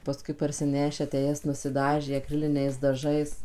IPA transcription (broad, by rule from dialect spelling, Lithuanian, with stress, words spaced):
pɐˈskʊɪ pɐrʲsʲɪˈnʲæːʃʲæː tʲæː ˈjɛs nʊsʲɪˈdɑːʒʲeː ɐˈkrʲɪlʲɪnʲɛɪs dɐˈʒɐɪs